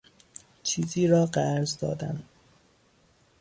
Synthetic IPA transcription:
t͡ʃʰiːziːɾɒːɢæɾzd̪ɒ̰ːd̪æ̰n

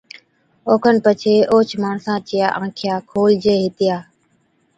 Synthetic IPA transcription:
oːkʰənpət͡ʃʰeːʔoːt͡ʃʰmaːɳsãːt͡ʃɪja̰ːʔãːkʰɪjaːkʰoːld͡ʒeːɦɪt̪ɪjaː

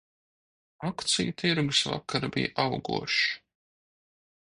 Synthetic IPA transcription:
akt̪sijut̪ʰiɾɡusva̰kːaɾabḭjʔawɡṵɔʃ

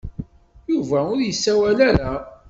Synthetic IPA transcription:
juvæʊɾjəsːæwælaɾa

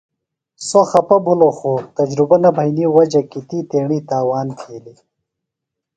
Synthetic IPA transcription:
soxɐpɐbʱuloxut̪ɐd͡ʑɾubɐnɐbʱɐjniwɐd͡ʑɐkit̪iːt̪eːɳiːt̪aːwaːnt̪ʰiːli

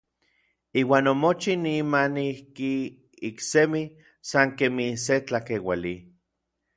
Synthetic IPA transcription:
iːwaːnomot͡ʃinimanihki | iksemi | saŋkemiset͡ɬakewali

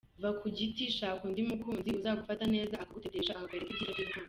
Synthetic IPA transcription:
vakʰuɟitiʃakundimukuːnziuzaβaɡufatane̞ːzaːkaɡuteteʃakabeɾekidiɾaɡikuː

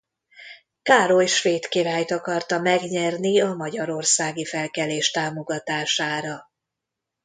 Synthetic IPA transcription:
kaːɾoʃʋeːt̪kiɾaːjt̪ɒkɒrt̪ɒmɛɡɲɛrniɒmɒɟɒɾo̞rsaːɡifɛlkɛleːʃt̪aːmo̞ɡɒt̪aːʃaːɾɒ

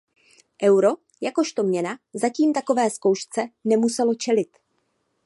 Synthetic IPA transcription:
ʔɛwɾo̞ | jako̞ʃt̪o̞mɲɛnazaciːmt̪ako̞vɛːsko̞wʃt͡sɛnɛmusɛlo̞t͡ʃɛlɪt̪

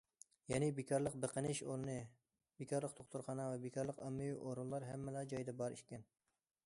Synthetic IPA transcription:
jɛnɪbekʰɑɾlˠəq̚bəqənɪʃoɾˠɨnɨ | bekʰɑɾlˠəq̚t̪ʰoχt̪uɾχɑnɑvɛbekʰɑɾlˠəqɑmːɨjiʔoɾulˠlˠɑɾɦɛmːɪlɛd͡ʒɑjd̪ɛbɑɾḭʃʲkʲɛn

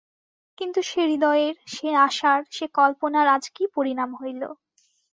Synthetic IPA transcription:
kint̪uʃeɾid̪ɔeeɾʃeaʃaɾʃekɔlponaɾad͡ʑkipoɾinamɦojlo̰

